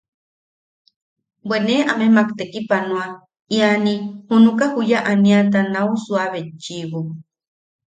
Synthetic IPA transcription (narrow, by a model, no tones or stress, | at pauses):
bweneʔamemakt̪ekipanũa | ianihunukahujaʔaniat̪anausuaβet͡ʃiβu